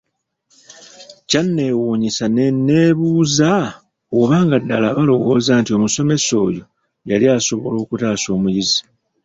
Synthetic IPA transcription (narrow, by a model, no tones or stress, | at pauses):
canːe̞ːwuːɲisanenːe̞ːβuːza | oβaːŋɡadːalaβalo̞wo̞ːzaːntio̞muso̞me̞so̞ːjo̞ | jaliaːso̞βo̞lo̞ːkutaːso̞ːmujizi